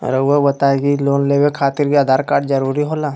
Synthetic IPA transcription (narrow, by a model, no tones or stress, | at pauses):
ɾɐebɐt̪aːeɡiloːnleːwekʰaːt̪ɪɾkiaːd̪ʱaːɾkaːɾʈzɐɾuːɾiɦoːlaː